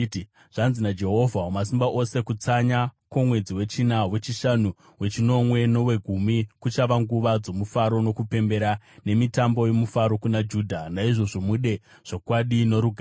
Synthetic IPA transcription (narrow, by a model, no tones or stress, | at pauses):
ʐ̥anzinad͡ʒe̞ɦo̞vʱaomas̬imbaʔo̞se̞kut͡saɲakomwe̞d͡ziwe̞t͡ʃinawe̞t͡ʃiʃanu | we̞t͡ʃino̞mwe̞no̞we̞ɡʱumikut͡ʃaʋaŋɡuʋad͡zo̞mufaɾo̞no̞kupe̞mbe̞ɾane̞mitambo̞je̞mufaɾo̞kunad͡ʒuːdʱanaiʐo̞ʐo̞muɗe̞ | ʐ̥okwaɗino̞ɾuɡʱa